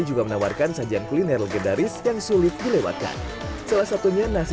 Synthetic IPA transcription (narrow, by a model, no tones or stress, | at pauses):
id͡ʒuɡamənawarkansɦad͡ʒiankulinɛrləɡəndaɾɪsjaŋsulɪt̪̚dilewa̰t̪ka̰n | salahsat̪uɲanas